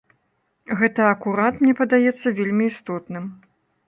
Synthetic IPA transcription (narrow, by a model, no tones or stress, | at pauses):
ɣɛt̪ɐːkuɾat̪mnʲɛpɐd̪ajɛt̪sːɐvʲelʲmʲiːst̪ɔt̪nɨm